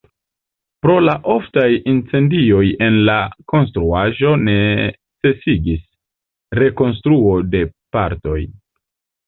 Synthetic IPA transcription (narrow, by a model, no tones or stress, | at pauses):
pɾo̞laʔo̞ftajint͡se̞ndio̞je̞nlako̞ns̬tɾuaʒo̞ne̞ | t͡se̞siɡis | ɾe̞ko̞ns̬tɾuo̞de̞paɾto̞j